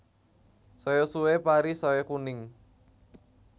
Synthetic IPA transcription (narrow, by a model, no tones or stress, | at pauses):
sojosuwepaɾisowekunɪŋ